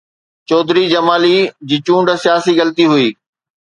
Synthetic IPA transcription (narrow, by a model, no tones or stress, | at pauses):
t͡ɕɔːd̪ʱɾid͡ʑɐmaːlid͡ʑiːt͡ɕũːɳɖsijaːsiɣɐlt̪iɦʊiː